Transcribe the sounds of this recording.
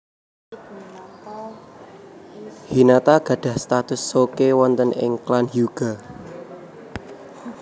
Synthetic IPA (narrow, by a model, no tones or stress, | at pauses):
hinat̪aɡ̥ä̤ɖ̥ä̤hst̪at̪ʊsːokewɔnt̪ənʔɪ̰ŋklanɦjuɡ̥a̤